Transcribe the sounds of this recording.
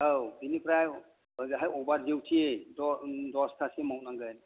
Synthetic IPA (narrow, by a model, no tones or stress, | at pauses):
awbinipɾajw | ɡɦajɔbaɾdewtʰiedɔdɔstʰasiemawtnaŋɡɯjn